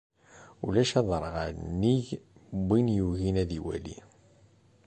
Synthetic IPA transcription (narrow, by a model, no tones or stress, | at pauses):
ulæʃɑðˤɾˤʁaɾnːiʝbinjuʝinæðiwæ̰lḭ